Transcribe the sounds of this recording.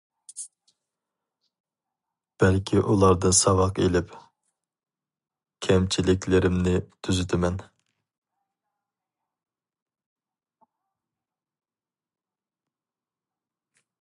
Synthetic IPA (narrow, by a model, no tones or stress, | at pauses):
b̥ɛlkʲʰiʔulˠɑɾd̪ɨnsɑwɑqelɪp | kʲʰɛmt͡ʃʰilɪkʲʰlɪɾɪmnɪt̪ʰyzyt̪ʰɪmɛn